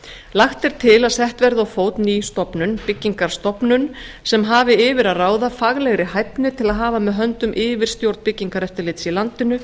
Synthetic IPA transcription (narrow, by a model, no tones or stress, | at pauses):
laxt̪ɛɾ̥t̪ʰɪlaðsɛht̪vɛɾðawfoːwt̪nist̪ɔpnʏnpɪcːiŋkaɾ̥st̪ɔpnʏnsɛmɦaːvɪɪːvɪɾaðraːwðafaɣlɛɣɾɪhajpnɪt̪ʰɪlaðɦaːvamɛðɦœnt̪ʏmʔɪːvɪɾ̥st̪jowɾt̪pɪcːiŋkaɾɛft̪ɪɾlɪːt̪silant̪ɪnʏ